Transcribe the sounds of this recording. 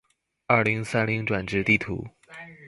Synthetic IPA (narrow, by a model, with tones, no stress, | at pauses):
ɐ˞˥˩li˧˥ŋsa˥nli˧˥ŋʈ͡ʂwa˨˩nʈ͡ʂɻ̩˥˧t̪i˥˩t̪ʰṵ˧˥